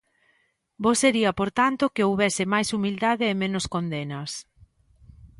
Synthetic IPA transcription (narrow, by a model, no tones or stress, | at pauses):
boseɾiɐpoɾt̪ant̪okɪowβɛsɪmajsumild̪aðeːmenoskond̪enɐs